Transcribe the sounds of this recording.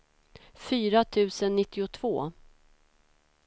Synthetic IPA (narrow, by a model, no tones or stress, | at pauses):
fyːɾat̪ʰʉ̟ːsənːɪt̪ːɪʊt̪ʰvoː